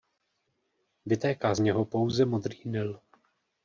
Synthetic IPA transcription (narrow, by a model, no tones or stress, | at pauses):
vɪt̪ɛːkaːzɲɛɦo̞po̞wzɛmo̞d̪riːnɪl